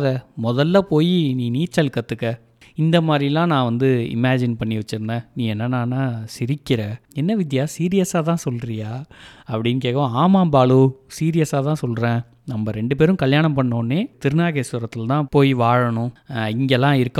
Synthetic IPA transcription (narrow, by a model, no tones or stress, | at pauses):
ðɐmɔðɐlːaːpoːjiniːniːt͡ʃːɐlkːɐt̪ːɯkːɐ | ɪnd̪ɐmaːd̪ɾɪlːãːnãːʋɐnd̪ɯɪ̰maːd͡ʒɪnpɐɳːiʋɐt͡ʃːɯɾɯnd̪ɛ̃ːnĩːɛnːɐnaːnːaːsɪɾɪkːɪɾɐɛnːɐʋɪð̬jaːsiːɾɪjɐsaːt̪ãːsɔlɾɪjaːɐpːɐɽɪnkeːkɐɐ̃aːmaːmbaːɭusiːɾɪjɐsaːt̪ãːsɔlɾẽː | nɐmbɐɾɛɳɖɯpeːɾɯ̃kɐljaːɳɐmpɐɳːoːnːeːt̪ɪɾɯnaːɣesʊɾɐt̪ːɪlt̪ãːpoːjiʋaːɻɐɳʊ̃ɪŋɡɛlːãːɪɾɯkː